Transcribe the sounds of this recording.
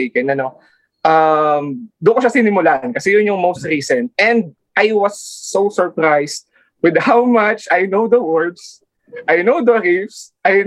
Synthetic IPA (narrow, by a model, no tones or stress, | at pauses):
kɛnɐno | ʔɐmd̪ʊkoʃasinɪmʊlaʔɐnkɐsɛjʊnjʊŋmowst̪̚ɾiːsɛ̃nt̪̚ɛ̃nd̪̚ | ʔajwɐsːosɔɹpɾajst̪̚ | wɪd̪̚hawmat͡ʃajnowd̪ɐwɔɹd̪s | ʔajnowd̪ɐɾifsʔaj